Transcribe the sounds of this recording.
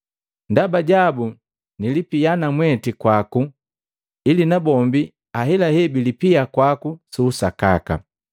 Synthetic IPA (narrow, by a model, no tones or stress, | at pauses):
ndabaɟabu | nilipijanamwɛtikwaku | ilinabɔmbi | aɦɛlahɛbilipiakwakusuːsaka̰ka̰